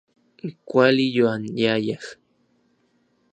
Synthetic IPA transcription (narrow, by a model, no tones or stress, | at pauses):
ikʷalijoanjajaχ